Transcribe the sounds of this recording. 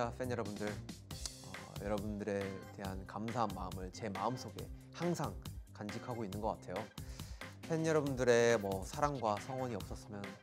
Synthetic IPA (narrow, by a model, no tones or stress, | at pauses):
apʰenjʌɾʌbundɯɭ | ʌ̰jʌɾʌbundɯɾe̞te̞ɦankamsʰaɦanma̰ɯmɯɭt͡ɕe̞maɯms͈ʰoɡe̞̰ | haŋsʰaŋkand͡ʑikʰaɡoinːɯnɡʌk͈atʰe̞jo | ɸʰe̞njʌɾʌbundɯɾe̞mʌsʰaɾaŋɡwasʰʌŋwʌɲiʌp̚s͈ʌs͈ɯmjʌn